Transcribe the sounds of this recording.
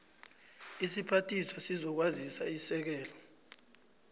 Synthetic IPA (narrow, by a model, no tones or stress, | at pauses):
isipʰatʰʼisɔsizɔk̬wazisaisɛk̬ɛːlɔ